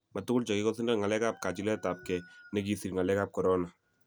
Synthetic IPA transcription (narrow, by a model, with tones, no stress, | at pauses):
ma˨t̪u˦ku˦lt͡ʃa˨ɡi˦kɔ˦si˦na˦ŋa˨lɛ˦ka˦p̚ka˨t͡ʃi˦lɛ˦t̪a˨p̚kɛ˨ne˦ɡisi˨ɾŋa˨lɛ˦ka˦p̚kɔ˨ɾɔ˦na˨